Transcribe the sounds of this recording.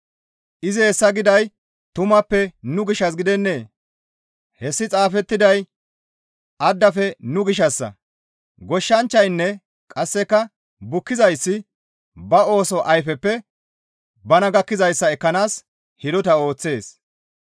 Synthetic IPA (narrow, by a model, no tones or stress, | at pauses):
ʔɪzɪhɛsːɐɡɪd̪ɐj | t̪ʊmɐpːɛnʊɡɪʃɐs̬ɡɪd̪ɛnːe̞ː | hɛsːɪt͡sʼaːfɛt̪ːɪd̪ɐj | ʔɐd̪ːɐfɛnʊɡɪʃɐsːɐ̰ | ɡɔʃːɐnt͡ʃːɐjnːɛ | kʼɐsːɛkːɐ | bʊkːɪzɐjsːɪ | bɐo̞ːsɔʔɐjfɛpːɛ | bɐnɐɡɐkːɪzɐjsːɐɛkːɐnaːs | hɪd̪ɔt̪ɐo̞ːt͡sːe̞ːs